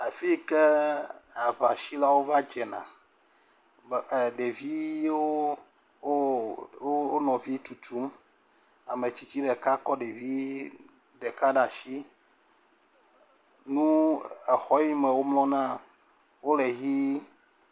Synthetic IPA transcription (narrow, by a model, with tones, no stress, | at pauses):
a˨fi˦kɛ˦ | a˨va˨ʃi˦la˦wo˦va˦d͡ʒɛ˨nã̰˨ | ɖe˨vi˦o˦ | o˦nɔ̃˨vi˦t̪u˨t̪u˨˦m | a˨me˨t͡ʃi˨t͡ɕi˦ɖɛ˨ka˦kɔ˦ɖe˨vi˦ | ɖɛ˨ka˦ɖa˨ʃi˦ | nũ˦ɛ˨xɔ˦ji˦mɛ̃˨wo˦mlɔ̃˦nã˦ | wo˦le˨ɦi˦